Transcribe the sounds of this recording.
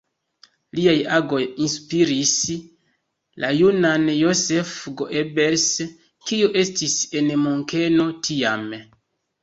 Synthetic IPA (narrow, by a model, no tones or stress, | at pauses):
liajaɡo̞jinspiɾis | lʔajunanjo̞se̞fɡoʔebeɾs | kiuʔe̞stise̞nmoŋke̞no̞tʰiam